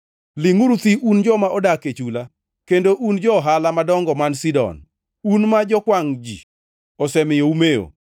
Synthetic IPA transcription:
lɪŋuɾut̪iʔund͡ʒɔmaʔɔdaket͡ʃula | kendoʔund͡ʒɔɦalamadɔŋɡɔmansidɔ̰n | unmad͡ʒɔkwaŋd͡ʒḭ | ɔsɛmɪjoumeo̰

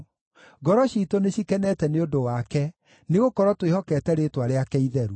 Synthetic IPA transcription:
ɡɔɾɔʃitoneɕikɛnɛtɛneodowakɛ | neɣokɔɾwɔtwehɔkɛtɛɾetwaɾeakɛiðɛɾu

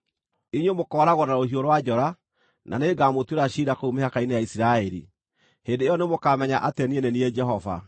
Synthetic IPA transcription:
iɲwemokɔːɾaɣɔnaohioɾwad͡ʒɔɾa | nʔa̰neːɡaːmotweɾaʃiɾakoumeakainejaisiɾaɛɾḭ | heːndejɔnemokamɛɲaʔateɛnienɛniɛd͡ʒɛɦɔva̰

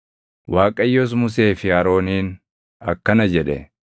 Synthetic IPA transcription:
waːkʼɐjːos̬mʊse̞ːfɪɐɾo̞ːniːn | ɐ̰kːɐnɐd͡ʒɛᶑɛ

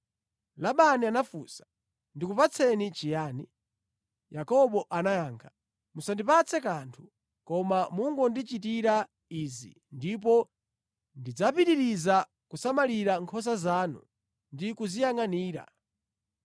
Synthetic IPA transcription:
laɓanianafuːsḁ | ndikupat͡sʰɛnit͡ʃijaːni | jakɔɓɔʔanajaːŋkʰḁ | musandipat͡sʰɛkantʰu̥ | kɔmamuŋɡɔndit͡ʃit̬iɾa | izḭ | ndip̬ɔ | ndid͡zapiɗiɾiza | kusamaliɾaŋkʰɔs̬azaːnṵ | ndikuzijaŋaniːɾa̰

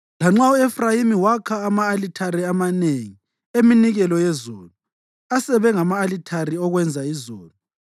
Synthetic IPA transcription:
laŋ͡ǁauɛfrajimiwakʰaːmaːlitʰaɾiamaneŋi | eminiɣɛlɔjɛzoːlu | asɛβɛŋamaːlitʰaɾiɔɣwɛnd͡zʱaizoːlu

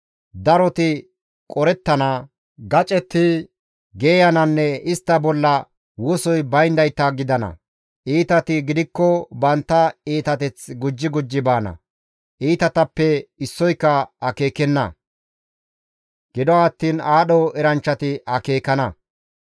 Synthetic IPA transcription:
d̪ɐɾɔt̪ɪ | kʼɔɾɛt̪ːɐnɐ | ɡɐt͡ʃʼɛt̪ːɪ | ɡeːjɐnɐnːɛɪst̪ːɐbɔlːɐ | wɔsɔjbɐjnd̪ɐjt̪ːɐɡɪd̪ɐnɐ̰ | ʔiːt̪ɐt̪ɪɡɪd̪ɪkːɔbɐnt̪ːɐiːt̪ɐt̪ɛt͡sɡʊd͡ʒːɪɡʊd͡ʒːɪbaːnɐ̰ | ʔiːt̪ɐt̪ɐpːɛɪsːɔjkːɐɐke̞ːkɛnːɐ̰ | ɡ̥ɪd̪ɔɐt̪ːiːnaːɗɔɛɾɐnt͡ʃːɐt̪ɪɐke̞ːkɐnɐ

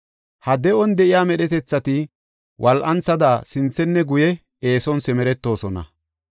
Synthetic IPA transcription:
hɐd̪ɛɔnd̪ɛʔɪjaːmɛɗɛt̪ɛt͡sːɐt̪ɪ | wʔɐlʔɐnt͡sɐd̪asɪnt͡sːɛnːɛɡʊjɛ | eːsɔnsɛmɛɾɛt̪ːo̞ːsɔnɐ̰

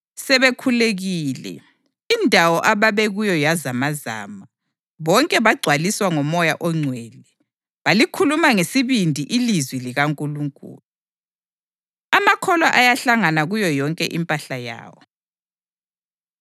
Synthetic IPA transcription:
sɛβekʰuleɣiːlɛ̰ | indʱawɔʔaβaβɛɣujɔjazamaza̰ːma | βɔŋkʼɛβaɡ͡ǀʱwaliswaŋɔmɔjaʔɔŋ͡ǀʱwɛːlɛ | βalikʰulumaŋesiβindʱiʔilizwiliɣaŋkʼuluŋkʼṵːlu | amakʰɔlwaʔajaɬaŋanaɣujɔjɔŋkʼɛʔimpʼaɬaja̰ːwɔ

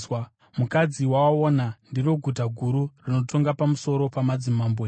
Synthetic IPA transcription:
w | mukad͡ziwawaoːnandiro̞ɡʱut̬aɡʱuɾurino̞to̞ŋɡapamuso̞ɾo̞pamad͡zimaːmbe

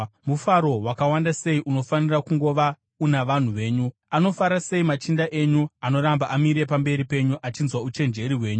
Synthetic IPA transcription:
mufaɾo̞wakawandase̞iʔuno̞fanirakuŋɡo̞ʋa | unaʋan̤uʋe̞ːɲu | ano̞faɾase̞imat͡ʃindaʔe̞ɲuano̞ɾambaʔamiɾe̞pambe̞ɾipe̞ɲuʔat͡ʃinzwaut͡ʃe̞nd͡ʒe̞ɾiɦwe̞ːɲu

